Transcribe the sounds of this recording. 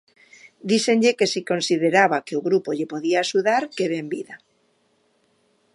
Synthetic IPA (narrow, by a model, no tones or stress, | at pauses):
d̪isenʎekesikonsið̞eɾaβakeoɣɾupoʎepoðiaːʃuðaɾkeβembiða